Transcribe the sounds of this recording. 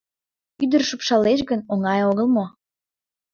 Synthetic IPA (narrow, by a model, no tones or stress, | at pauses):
yd̪ərʃupʃɑleʃɡənoŋɑjoɣəlmo